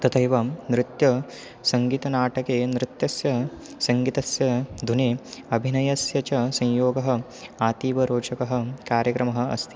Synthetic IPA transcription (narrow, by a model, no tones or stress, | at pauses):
t̪ɐt̪ʰɐjʋɐmnɾɪt̪jɐ | sɐŋɡiːt̪ɐnaːʈɐkeːnɾɪt̪jɐsjɐ | sɐŋɡit̪ɐsjɐd̪ʱuneɐbʱinɐjɐsjɐt͡ʃɐsɐ̃ɲjoːɡɐɦɐ̆ | aːt̪iːʋɐɾoːt͡ʃɐkɐɦɐ̆kaːɾjɐkɾɐmɐɦɐ̆ɐ̰st̪ʰi̥